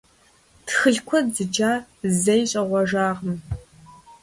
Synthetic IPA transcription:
tʰxɨɮkʷʰɔdzɨd͡ʒaːzɐjɕʼɐʁʷɔʒaːʁəm

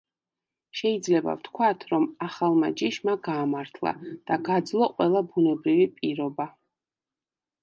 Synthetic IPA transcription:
ʃɛid̪zlɛba̰vt̪ʰkʰwat̪ʰɾɔmaχalˠmad͡ʒiʃmaɡaːmaɾt̪ʰlˠa̰d̪̥aɡad̪zlˠɔqʼwɛlˠabunɛbɾivipʼiɾɔba

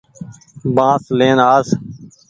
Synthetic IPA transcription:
bãːsleːnaːs

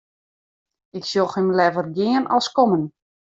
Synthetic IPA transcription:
ɪksjoxəmlɛvərɡjɪənɔlˠskomən

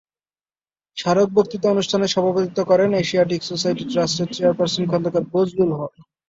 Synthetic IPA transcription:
ʃaɾok̚boɾt̪it̪oonuʃʈʰaneʃɔbʱabot̪it̪okɔɾeneʃiaʈ̬iksosajʈiʈɾasʈet͡ɕeaɾpaɾsonkʰɔnd̪okaɾbod͡ʑlulɦɔɾ

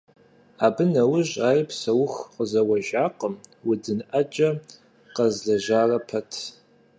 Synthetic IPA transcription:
aːbɨnɐwʊʑʼaːjpsɐwʊxqəzɐwɐʒaːqəmwʊd͡zɨnʔɐd͡ʒʼɐ | qɐzɮɐʑaːrɐpʰɐtʰ

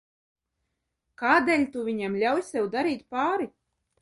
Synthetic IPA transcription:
kaːd̪eːlʲt̪uvʲiɲɛmlʲawjsɛwd̪aɾiːt̪paːɾi

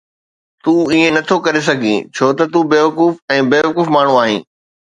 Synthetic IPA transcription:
t̪ũːiẽnɐt̪ʰokɐɾes̬ɐɡʱḭ̃t͡ɕʰoːt̪ɐt̪ũbeːʋɐkuːfɛ̃ːbeːʋɐkuːfmaːɳ̤ũaːɦḭ̃ː

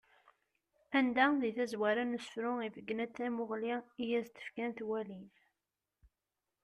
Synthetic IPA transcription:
ænd̪æðiθæzwæɾænəsfɾʊivəɡːnæt͡s̪ːæmʊʁliijæzt̪ːə̥fkænθwæliθ

